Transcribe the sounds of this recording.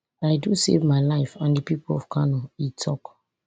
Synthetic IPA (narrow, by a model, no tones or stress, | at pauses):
aɪdusḛvmaɪlaɪfãndipipulɔ̰fkʰanɔitʰɔk